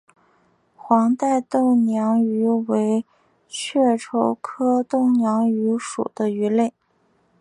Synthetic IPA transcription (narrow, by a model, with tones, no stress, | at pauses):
xwɑ˧˥ŋt̪a˥˧ɪt̪o˥˩ʊnjɑ˧˥ŋy˧˥we˧˥ɪ | t͡ɕʰɥɛ˥˩ʈ͡ʂʰo˧˥ʊkʰɤ˥t̪ʊ˥˩ŋnjɑ˧˥ŋy˧˥ʂṵ˨˩d̪̥ə˦y˧˥le˥˩ɪ